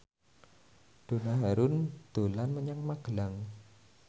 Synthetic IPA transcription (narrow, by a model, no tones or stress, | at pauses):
d̥o̤naɦaɾʊnd̪̥o̤lanməɲaŋmaɡ̥əlaŋ